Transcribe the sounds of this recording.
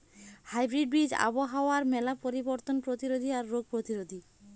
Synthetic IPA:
hajbɾiɖ̚bɾid͡ʑa̰boɦaoaɾmɛlapoɾiboɾt̪onpɾot̪iɾod̪ʱiaɾːoɡ̚pɾot̪iɾod̪ʱi

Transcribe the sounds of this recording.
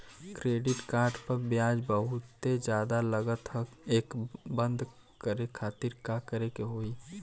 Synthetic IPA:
kɾeːɖɪʈkaːɾɖpəɾbjaːd͡ʒbəɦʊt̪sed͡ʒjaːd̪aləɡət̪həeːkbə̃nd̪ʱ | kəɾekʰaːt̪iɾkakəɾekeɦoi

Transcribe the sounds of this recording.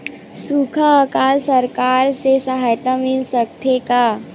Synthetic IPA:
sukʰaːkaːlsəɾkaːɾsesəɦaːjt̪amɪlsək̚t̪ʰeka

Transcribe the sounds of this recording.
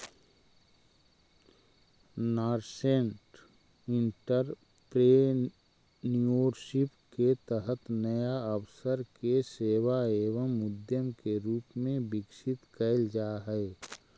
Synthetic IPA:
naːɾsẽɳʈ | ɪ̃ɳʈəɾ | pɾe | nioːɾsɪpket̪əɦət̪nəjaəwsəɾkeseːwaeːʋəmːʊd̪jəmkeɾuːpmẽbɪksɪt̪kəɪld͡ʒaːɦɛe

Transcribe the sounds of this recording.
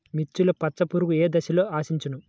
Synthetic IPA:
mit͡ʃːulɐpɐtsɐpuɾuɡueːd̪ɐʃiloːaːsiɲt͡ʃinu

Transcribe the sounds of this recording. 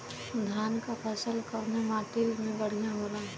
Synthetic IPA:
d̪ʱjaːnkapʰɛːsəlkəɾnamaːʈɪlmẽbəɽ̤ijãɦolaː

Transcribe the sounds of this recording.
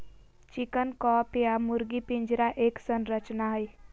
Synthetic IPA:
t͡ʃɪkənkɔːpjamʊɾɡipɪ̃ɲd͡ʒɾaʔeːksənɾət͡ʃnaɦəi

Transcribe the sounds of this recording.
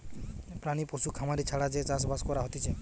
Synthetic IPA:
pɾañiposukʰamaɾit͡ʃʰaɽad͡ʒet͡ʃas̬baskɔɾaɦɔt̪it͡ʃʰe

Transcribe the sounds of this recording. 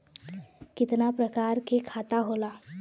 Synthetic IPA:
kit̪napɾəkaɾkekʰat̪aɦola

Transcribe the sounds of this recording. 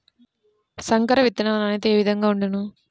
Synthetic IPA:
sɐŋkɐɾɐʋit̪ːɐnaːɐnanɐt̪eeːʋid̪ʱɐŋɡaːuɳɖɐnu

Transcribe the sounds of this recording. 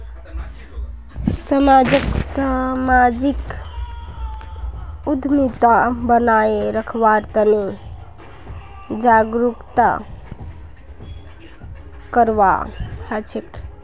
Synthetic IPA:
səmad͡ʒəksamad͡ʒik | ud̪ʱmit̪abənaeɾəkʰʋaɾt̪əne | d͡ʒaɡɾukt̪a̰ | kəɾʋa̰at͡ʃʰek

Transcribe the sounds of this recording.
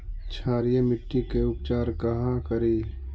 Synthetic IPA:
t͡ʃʰaːɾijemɪʈːikeʊpt͡ʃaːɾkɐɦãkɐɾiː

